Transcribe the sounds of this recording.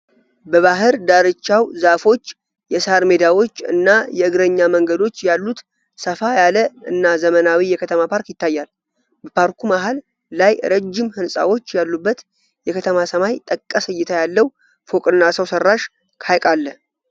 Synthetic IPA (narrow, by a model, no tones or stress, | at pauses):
bəβaɦɨɾd̪aɾɨt͡ʃːawzafo̞t͡ʃː | jɛsaɾmed̪awo̞t͡ʃːɨ̰nːajɛɨɡɾəɲːaməŋɡəd̪o̞t͡ʃːjalːut̪ | səfajaləɨnːazəmənawijɛkʰət̪ʰəmapʰaɾkjɪt̪ːajːal | bəpʰaɾkʰumaɦalː | ajɾəd͡ʒːɪmhɨnsʼa̰wo̞t͡ʃːjalːubːət̪ | jɛkʰət̪ʰəmasəmajt̪ʼəkʼːəsɨjɛt̪ʰajalːəw | fo̞kʼɨnːasəwsərːaʃ | kʰajkʼalːə